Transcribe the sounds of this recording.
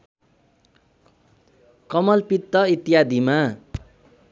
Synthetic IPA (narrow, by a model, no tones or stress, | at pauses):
kʌmʌlpit̪ːʌit̪ijad̪ʱima